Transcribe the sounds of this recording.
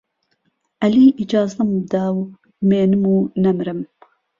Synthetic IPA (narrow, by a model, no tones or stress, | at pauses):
ʔɐliːʔid͡ʒɑːzɨmd̪aːw | meːnɨmuːnɐmɾɨm